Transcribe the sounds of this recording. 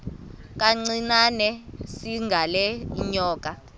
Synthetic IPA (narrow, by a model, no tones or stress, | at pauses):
k̬aŋ͡ǀinanɛsiŋɡʱalɛiɲɔːk̬ʼa